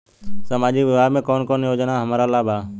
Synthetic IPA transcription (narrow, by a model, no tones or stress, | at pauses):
səmaːd͡ʒɪkʋɪbʱaːɡmẽːkoːnkoːnjoːd͡ʒnaːɦəmaːɾaːlaːbaː